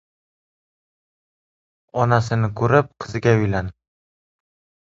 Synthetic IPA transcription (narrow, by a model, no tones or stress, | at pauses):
ɒnasɪnɪkʰɵɾɪp̚qʰɨzɪɡʲaʊjlan